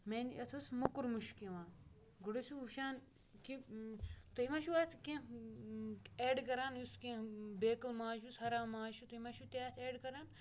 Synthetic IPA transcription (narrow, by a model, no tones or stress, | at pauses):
meːnʔɐt̪ʰusmɐkuɾmuʃkẽʋãː | ɡuɽusuʃaːn | ki | t̪ɐɦimaːʃuat̪ʰkẽ | eːɖkɐɾaːnuskẽbeːkɐlmãːʃushɐɾaːmːãːʃut̪ɐimaːʃut̪eaːt̪ʰeːɖkɐɾaːn